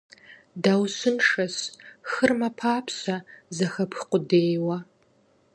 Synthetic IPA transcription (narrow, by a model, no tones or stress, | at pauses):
daːwsɨnʂɐsxɨrmɐpʰaːpʰsɐzɐxɐpʰxqʷʊdeːjwɐ